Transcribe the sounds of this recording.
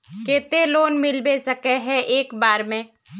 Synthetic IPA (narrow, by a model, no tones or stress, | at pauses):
keːt̪eloːnmɪlbesɐkeɦɛʔeːkbaːɾmẽː